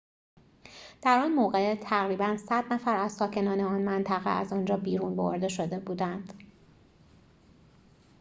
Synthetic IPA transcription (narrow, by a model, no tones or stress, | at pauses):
d̪̥æɾɒnmoːɣet̪ʰæɣɾiːbænsæd̪̥næfæɾæzsɒːcʰe̞nɒːneɒnmænt̪ʰæɣḛʔæzɒːnd͡ʒɒːbiːɾunbo̰ɾd̪e̞ʃo̞d̪e̞buːd̪ænd̪̥